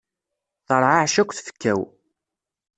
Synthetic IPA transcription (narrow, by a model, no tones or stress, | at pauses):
θəɾˤʕaʕʃækʷːθfə̥kːæw